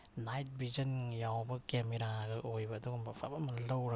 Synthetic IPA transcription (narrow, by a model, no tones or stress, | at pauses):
najt̚bizɐnjawbɐkemiɾaɡɐʔojbɐːduɡmbɐpʰa̰bamɐlɐwɾɐ